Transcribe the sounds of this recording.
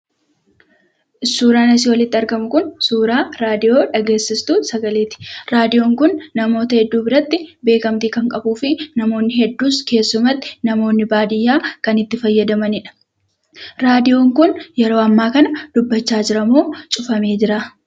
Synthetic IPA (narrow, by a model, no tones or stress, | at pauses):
ʔɪsːuːɾaːnɐs̬ɪwɐlɪt̪ːɪɐɾɡɐmʊkʊnsuːɾaːɾaːd̪ɪjo̞ːᶑɐɡe̞ːsːɪst̪uːsɐɡɐleːt̪ɪ̥ɾaːd̪ɪjo̞ːŋkʊnːɐmo̞ːt̪ɐhɛd̪ːuːbɪɾɐt̪ːɪbe̞ːkɐmt̪iːkɐŋkʼɐbuːfɪnɐmo̞ːnːɪhɛd̪ːuːske̞ːsːʊmɐt̪ːɪ̥nɐmo̞ːnːɪbaːd̪ɪjːaːkɐnɪt̪ːɪfɐjːɐd̪ɐmɐnɪᶑɐ̥ | ɾaːd̪ɪjo̞ːŋkʊnjɛɾo̞ːɐmːaːkɐnɐd̪̥ʊbːɐt͡ʃːaːd͡ʒɪɾɐmoːt͡ʃʼʊfɐme̞ːd͡ʒɪɾaː